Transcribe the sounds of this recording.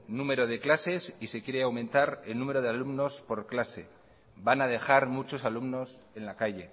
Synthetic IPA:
nume̞ɾoð̞e̞klase̞sisekjeɾeawmẽ̞nt̪aɾe̞lnũme̞ɾo̞ð̞e̞alumno̞spo̞ɾklase̞̰ | banað̞e̞xaɾmut͡ʃo̞salumno̞s | e̞nlakaʝe̞

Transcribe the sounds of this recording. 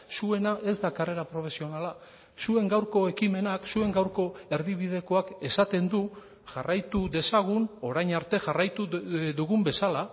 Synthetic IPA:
sue̞naʔe̞zd̪akare̞ɾapɾo̞fe̞sio̞nala | sue̞ŋɡawɾko̞e̞kime̞naksue̞ŋɡawɾko̞e̞ɾðiβ̞ið̞e̞ko̞ake̞sat̪e̞nd̪u | ʝarajt̪uðe̞saɣ̞uno̞ɾajɲaɾt̪e̞ʝarajt̪uðuɣumbe̞sala

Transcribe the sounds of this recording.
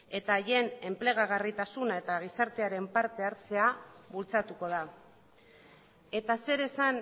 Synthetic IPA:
e̞t̪aːje̞ne̞mple̞ɣ̞aɣarit̪asunae̞t̪aɣ̞isaɾt̪e̞aɾe̞mpaɾt̪e̞aɾt͡se̞aβult͡sat̪uko̞ða | e̞t̪ase̞ɾe̞san

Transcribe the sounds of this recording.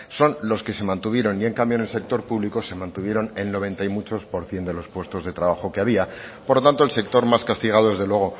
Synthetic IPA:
so̞nlo̞ske̞se̞mãnt̪uβ̞je̞ɾo̞nie̞ŋkambjo̞ne̞lse̞k̚t̪o̞ɾpuβlikose̞mãnt̪uβje̞ɾo̞ne̞lno̞β̞e̞nt̪aimut͡ʃo̞spo̞ɾθje̞nd̪elo̞spwe̞st̪o̞zðe̞t̪ɾaβ̞axo̞keaβiapoɾlo̞t̪ant̪olse̞k̚t̪o̞ɾmaskast̪iɣ̞aðo̞ðe̞zðelwe̞ɣ̞o̞

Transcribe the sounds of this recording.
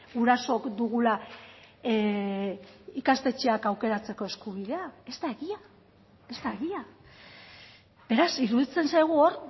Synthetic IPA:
ɣuɾaso̞kd̪uɣula | ikast̪e̞t͡ʃe̞akawke̞ɾat͡se̞ko̞e̞skuβ̞iðe̞ae̞zt̪aeɣia | e̞zt̪aeɣia | be̞ɾasiɾuð̞it͡se̞nsajɣ̞uoɾ

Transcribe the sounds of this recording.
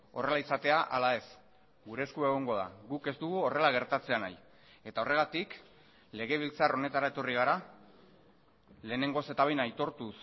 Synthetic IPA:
o̞̰re̞laisat̪e̞aʔalae̞s | ɡuɾe̞skue̞ɣ̞o̞ŋɡo̞ða̰ɣuke̞zt̪uɣuo̞re̞laɣ̞e̞ɾt̪at͡se̞ana̰j | e̞t̪ao̞re̞ɣ̞at̪ik | le̞ɣ̞e̞β̞ilt͡saro̞ne̞t̪aɾae̞t̪o̞riɣ̞aɾa | le̞ːne̞ŋɡo̞se̞t̪aβejnajt̪o̞ɾt̪us

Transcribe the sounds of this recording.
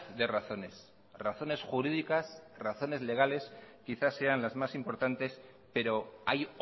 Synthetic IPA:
ðe̞raθo̞ne̞s | raθo̞ne̞sxuɾiðikasraθo̞ne̞zle̞ɣ̞ale̞skiθasːe̞anlazmasimpo̞ɾt̪ant̪e̞s | pe̞ɾo̞aj

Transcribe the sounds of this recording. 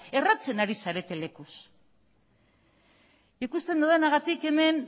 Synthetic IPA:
e̞rat͡se̞naɾisaɾe̞t̪e̞le̞kus | ikust̪e̞nd̪aðenaɣ̞at̪ike̞me̞n

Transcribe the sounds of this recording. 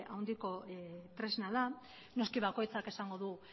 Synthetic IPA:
awnd̪iko̞t̪ɾe̞znaða | no̞skiβako̞jt͡sake̞saŋɡo̞ðu

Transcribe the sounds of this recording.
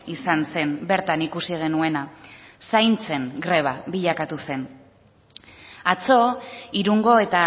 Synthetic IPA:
isanse̞nbe̞ɾt̪anikusiɣ̞e̞nue̞nasajnt͡se̞ŋɡɾe̞β̞aβiʎakat̪use̞n | at͡so̞iɾuŋɡo̞e̞t̪a

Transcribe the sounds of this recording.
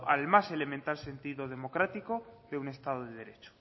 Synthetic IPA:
a̰lmase̞le̞mẽnt̪alse̞nt̪iðoð̞e̞mo̞kɾat̪iko̞ðe̞une̞st̪að̞oðeðeɾe̞t͡ʃo̥

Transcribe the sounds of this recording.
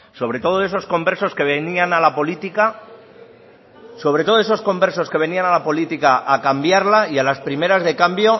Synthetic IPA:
so̞βɾe̞t̪o̞ð̞o̞e̞so̞sko̞mbe̞ɾso̞ske̞βenianalapo̞lit̪ika | so̞βɾe̞t̪o̞ð̞oeso̞sko̞mbe̞ɾs̬o̞ske̞β̞e̞nianalapo̞lit̪ikaʔakambjaɾlaialaspɾime̞ɾazðe̞kambjo̞

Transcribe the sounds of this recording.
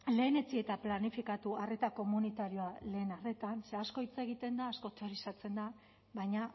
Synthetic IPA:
le̞ːne̞t͡sie̞t̪aplanifikat̪uare̞t̪ako̞munit̪aɾio̞ale̞ːnare̞t̪anse̞asko̞it͡seɣ̞it̪e̞nd̪aːsko̞t̪eɾisat͡se̞nd̪a | βajɲa

